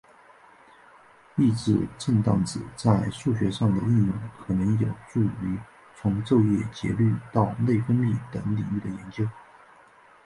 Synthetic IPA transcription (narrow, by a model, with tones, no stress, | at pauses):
i˥˧ʈ͡ʂɻ̩˥˩ʈ͡ʂə˥˧ŋt̪ɑ˥˩ŋt͡sɻ̩˨˩t͡sa˥˧ɪʂu˥˩ɕ̬ɥɛ˧˥ʂɑ˥˩ŋd̪ə˩i˥˧njʊ˥˩ŋkʰɤ˨˩nɤ˧˥ŋjo˨˩ʊʈ͡ʂu˥˩y˧˥ | t͡sʰʊ˧˥ŋʈ͡ʂo˥˧ʊjɛ˥˩t͡ɕjɛ̰˧˥ly˥˧t̪ɑ˥˧ʊne˥˩ɪfə˥nli˥˩t̪ɤ˧˥ŋlḭ˨˩y˥˩d̪ə˩jɛ˧˥nt͡ɕjo˥ʊ